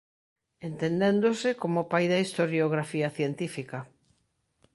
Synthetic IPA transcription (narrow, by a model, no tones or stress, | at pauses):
ent̪end̪ẽnd̪osɪkomopajðɐist̪oɾjoɣ̞ɾafiɐθjent̪ifikɐ